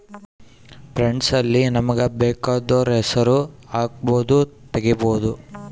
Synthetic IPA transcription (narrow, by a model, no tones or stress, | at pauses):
pɾeɳɖsɐlːinɐmɐɡɐbɛːkaːd̪oːɾɛsɐɾuaːk̚boːd̪ut̪eɡiboːd̪u